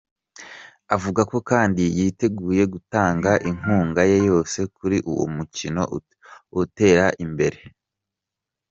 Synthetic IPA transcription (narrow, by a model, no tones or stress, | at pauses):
avuɡako̞kaːndijiːte̞ɡuːje̞ɡutaːŋɡaʔiŋ̥uːŋɡaje̞jo̞ːse̞kuɾiʔṵwo̰mucino̞̰ | ute̞ːɾaʔimbe̞ɾe̞